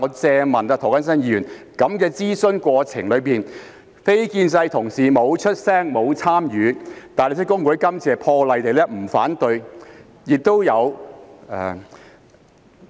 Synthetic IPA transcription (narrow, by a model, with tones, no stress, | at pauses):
ɔ˨˧t͡sɛː˧mɐ˨˩nɐ˧t̪ʰːkɐ˥ns̬ɐ˥njiː˧jyː˨˩nkɐ˨˥mkɛː˧t͡siː˥sɵ˧nkʷɔː˧t͡sʰɪ̰˨˩ŋlɵ˨˧ɥpiː˨˩n | fe˥jkiː˧nsɐ˧jt̪ʰʊ˨˩ŋsiː˨mo˨˧wt͡ʃʰɵ˥t̚sɛː˥ŋmo˨˧wt͡sʰaː˥mjyː˨˧t̪aː˨˩nle˧t͡sʰːkːʊ˥ŋku˨˥kɐ˥mt͡sɛː˨˩pʰɔː˧lɐ˨˧jt̪e˨jlɛː˥m̩˨˩faː˨˥nt̪ɵ˧ɥ | jɪ˨k̚t̪o˥wjɐ˨˧wɛː˨